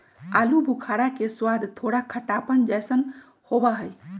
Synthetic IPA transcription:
alubʱukʰaɽakeswad̪ʱt̪ʰoɽakʰəʈapənd͡ʒajsən | hobaɦəj

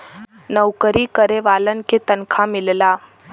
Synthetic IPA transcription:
nəwkəɾiːkəɾeʋalənket̪ənkʰamilla

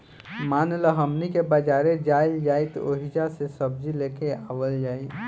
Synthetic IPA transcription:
maːnləɦəmnikebəd͡ʒaːɾed͡ʒaːɪld͡ʒaːɪt̪o̰ːɦid͡ʒasesəb̚d͡ʒileːkeaːʋəld͡ʒaːi

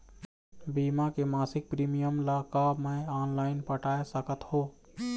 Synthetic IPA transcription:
biːmakemaːsɪk̚pɾiːmijəmlakaːbmẽaːnlaːɪnpəʈaːesəkət̪hoː

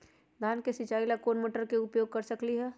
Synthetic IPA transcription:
d̪ʱaːnkesɪt͡ʃaːilakoːnməʈəɾkeʊpjoːɡ̚kəɾsəkliɦɛː

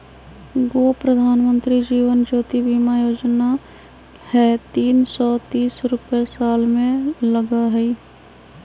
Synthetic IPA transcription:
ɡoːpɾəd̪ʱaːnmə̃nt̪ɾid͡ʒiːʋənd͡ʒoːt̪ibiːmajoːd͡ʒna | hɛt̪iːnsɔt̪iːsɾʊpjesaːlmẽləɡaɦɛi

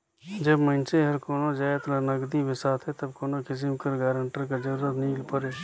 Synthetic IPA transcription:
d͡ʒəbmə̃nt͡ʃeɦɐɾkoːnõd͡ʒaːet̪lənəɡd̪ibɪsaːt̪ʰɦɛt̪ɐbkoːnokɪzɪmkəɾɡaːɾəɳʈəɾkɐd͡ʒəɾːət̪niːlpəɾeː

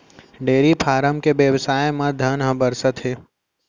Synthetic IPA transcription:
ɖeːɾipʰaːɾəmkebjəʋsaːjemãd̪ʱənɦə̃bəɾsət̪ɦeː

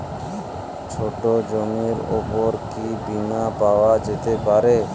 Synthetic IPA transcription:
t͡ʃʰoʈod͡ʒomiɾo̰poɾkibinapawad͡ʒet̪epaɾe

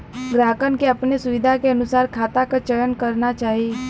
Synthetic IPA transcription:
ɡɾaːkənkeɐpnesʊʋɪd̪ʱakeɐnʊsaːɾkʰaːt̪akat͡ʃəjənkəɾnat͡ʃaːɦi

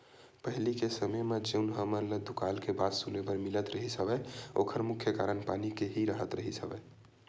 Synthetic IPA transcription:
pəɦilikesəməjmed͡ʒeunɦəməɾləd̪ukalkebad̪sulebəɾmilət̪ɾəɦisəbɛokʰəɾmukʰːjəkaɾənpanikeɦiɾəɦət̪ɾəɦisəbɛ

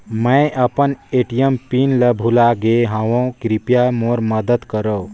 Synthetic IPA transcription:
mə̃jɐpəneʈijəmpinləbʱulaɡeɦãwõkɾipjamoɾməd̪əd̪kəɾo

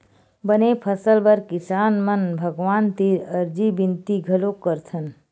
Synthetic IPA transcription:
bənepʰəsəlbəɾkisaːnmənbʱəɡʋaːnt̪iɾəɾd͡ʒibint̪iɡʱəlokəɾt̪ʰən

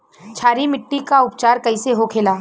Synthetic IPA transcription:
t͡ʃʰaːɾimɪʈːikaʊpt͡ʃaːɾkɐiseɦokʰeːlaː

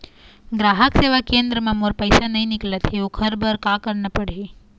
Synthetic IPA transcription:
ɡɾaɦəkseʋakend̪ɾəmãmoɾpəjsanəɦĩnɪklət̪ʰeokʰəɾbəɾkãkəɾnəpəɽe

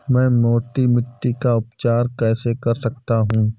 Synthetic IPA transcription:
mɛ̃ːmoːʈimɪʈːikaʊpt͡ʃaːɾkɛːsekɐɾsɐk̚t̪aɦũː

